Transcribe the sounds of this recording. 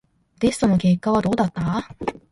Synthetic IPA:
t̪e̞sɨ̥t̪o̞no̞ke̞ːkːaβ̞ad̪o̞ːd̪at̪ːa

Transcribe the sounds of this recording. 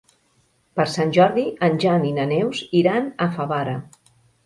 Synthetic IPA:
pəɾsanʲʒɔɾðiənʲʒaninənɛwziɾanəfaβaɾə

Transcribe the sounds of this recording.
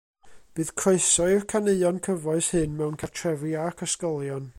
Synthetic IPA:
b̥ɨːðkʰroɨsɔɪrkʰaneɨɔnkʰəvɔɨshɨnmɛwnkʰartʰrɛviakʰəskɔlˠjɔn

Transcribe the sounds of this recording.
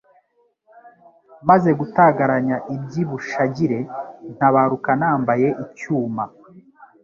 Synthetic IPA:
maze̞ɡutaɡaɾaɲaʔibɟiβuʃaɟiɾe̞n̥haβaɾukanaːmbaje̞ʔicuːma

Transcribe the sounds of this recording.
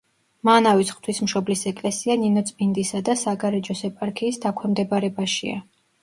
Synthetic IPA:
manavisχt̪ʰwismʃɔblisɛkʼlɛsianinɔt̪sʼbind̪isad̪asaɡaɾɛd͡ʒɔsɛpʼaɾkʰiːsd̪akʷʰwɛmd̪ɛbaɾɛbaʃḭa̰

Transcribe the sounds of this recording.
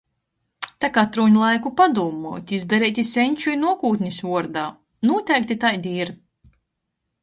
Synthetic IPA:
t̪akat̪ɾuːɲulˠajkupad̪uːmuɔt̪ʲizd̪aɾɛːjt̪ʲisɛɲʲt͡ʃujnuɔkuːt̪ʲɲʲisvuɔɾd̪aː | nuɔt̪ʲɛjk̚ʲt̪ʲit̪ajd̪iɾ

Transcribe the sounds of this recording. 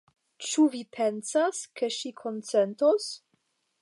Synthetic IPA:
t͡ʃuvipʰensaskeʃikʰont͡sentos

